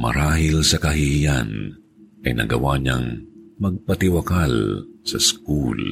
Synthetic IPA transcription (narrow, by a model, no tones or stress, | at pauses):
mɐ̰ɾaːɦɪlsɐkɐɦɪhɪja̰n | ʔɐjnɐ̰ɡɐwaɲa̰ŋmɐɡ̚pɐt̪ɪwɐkalsɐskul